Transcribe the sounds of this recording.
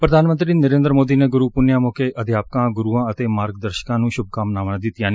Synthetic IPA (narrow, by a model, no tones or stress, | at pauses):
pɾəd̪ʱaːnmə̃nt̪ɾiːnəɾẽːnd̪əɾmoːd̪iːneːɡʊɾuːpʊnjãːmoːkeːʔəd̪ʱjaːp̚kãːɡʊɾuːãːət̪eːmaːɾɡd̪əɾʃə̥kãːnũːʃʊb̚kaːmnaːʋãːd̪ɪt̪ɪjãːni